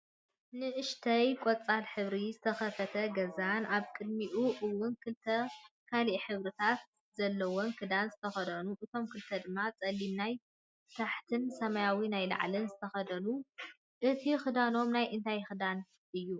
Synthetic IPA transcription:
nɨʔɨʃt̪ʰɐjkʼot͡sʼalħɨβɾizɨt̪ʰɐxɐfɐt̪ʰɐɡɐzanaβkʼɨd̪̚miʔuʔɨwːʊnkʰɨlt̪ʰɐkʰaliʔħɨβɾɨt̪ʰat̪̚ | zɐlːɐwonkʰɨd̪anzɨt̪ʰɐxɐd̪ɐnuʔɨt̪ʰo̞mkʰɨlt̪ʰɐd̪ɨmːat͡sʼɐlːimnaj | t̪ʰaħt̪ʰɨnsɐmɐjawinajla̰ʕlɨnzɨt̪ʰɐxɐd̪ɐlu | ʔɨt̪ʰixɨd̪ano̞mnajʔɨnt̪ʰajxɨd̪an | ʔɨjːu

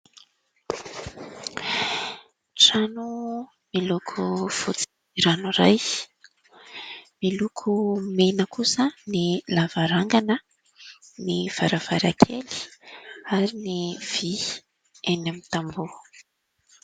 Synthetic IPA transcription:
ʈ͡ʂanu | milukʰufut͡si̥i | ɾanuɾaj | milukʰumenəkʰusənilavaɾaŋɡanə | niv̥aɾav̥aɾakʰeli̥ | aɾiniv̥i | enamit̪ambu

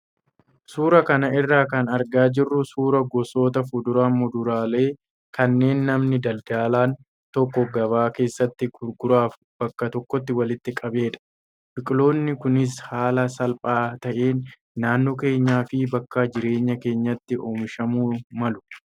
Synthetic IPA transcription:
suːɾɐkɐnɐɪrːaːkɐnɐɾɡaːd͡ʒɪrːʊsuːɾɐɡɔso̞ːt̪ɐfʊd̪ʊɾaːʊd̪ʊɾaːle̞ː | kɐnːe̞ːnːɐmnɪd̪ɐld̪aːlaːn | t̪ɔkːɔɡɐβaːke̞ːsːɐt̪ːɪɡʊɾɡʊɾaːf | b̥ɐkːɐt̪ɔkːɔt̪ːɪwɐlɪt̪ːɪkʼɐbe̞ːᶑ̪ɐ̥ | bɪkʼlo̞ːnːɪkʊnɪshaːlɐsɐlpʼaːt̪ɐʔeːnː | aːnːoːke̞ːɲːaːfɪbɐkːɐd͡ʒɪɾe̞ːɲːɐke̞ːɲːɐt̪ːɪʔoːmɪʃɐmuːmɐlʊ̥

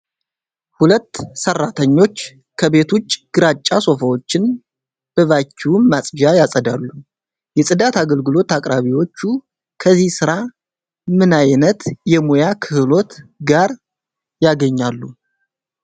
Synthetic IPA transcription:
hulət̪ːsərːat̪ʰəɲːo̞t͡ʃː | kʰəβe̞t̪ʰut͡ʃːɡ̥ɨɾat͡ʃʼːaso̞fəwo̞t͡ʃːɪn | b̥əβat͡ʃːiwmasʼjajasʼəd̪alːu | jɛsʼɨd̪at̪ʰaɡəlɡɨlo̞t̪akʼɾaβiwo̞t͡ʃːu | kʰəzihsɨɾa | mɨnajnət̪jɛmojakʰɨhlo̞t̪ɡaɾ | jaɡəɲːalːu

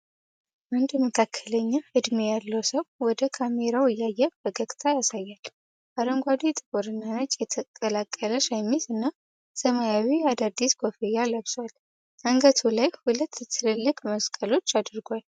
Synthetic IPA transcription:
mɨnd̪məkʰakʰːələɲːaɨd̪mejalːəwsəwwɔd̪əkʰame̞ɾawɨjːajːabəɡəɡʼt̪ʰajasajːal | baɾəŋɡʷad̪it̪ʼɨboɾɨnːanət͡ʃʼjɛt̪ʰəkʼəlakʼːələʃajmizɨnːa | səmajawiad̪ad̪ːisɡofejaləβswal | aŋɡət̪ʰulajhulət̪ːt̪ʰɨlɨlːɨkʼməskʼəlo̞t͡ʃːad̪ɨɾɡʷal

